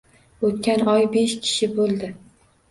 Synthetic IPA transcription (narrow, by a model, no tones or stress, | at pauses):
ot̪̚kʲanɒjbeʃkʲʰɪ̥ʃɪbolˠd̪ɪ